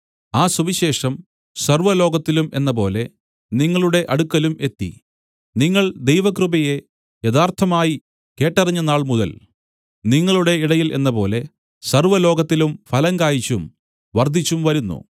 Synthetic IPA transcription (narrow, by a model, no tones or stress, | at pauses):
aːsuʋiɕe̞ːʂɐm | sɐrʋɐlo̞ːɡɐt̪ːilumenːɐpo̞̰ːle̞ | niŋːɐɭuɽe̞ʔɐɽukːɐlume̞t̪ːḭ | niŋːɐɭd̪e̞jʋɐkrɨbɐje̞ | jɐðaːrt̪ʰɐmaːji | ke̞ːʈːɐrɐɲːɐnaːɭmuðɐ̰l | niŋːɐɭuɽe̞iɽɐjilʔe̞̰nːɐpo̞ːle̞ | sɐrʋɐlo̞ːɡɐt̪ːilumfɐlɐŋɡaːjit͡ɕːum | ʋɐrd̪ʱit͡ɕːumʋɐɾunːṵ